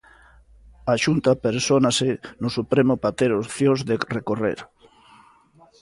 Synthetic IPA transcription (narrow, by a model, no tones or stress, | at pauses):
aʃunt̪apeɾsonasenosupɾemopat̪eɾoθjozðerekorḛɾ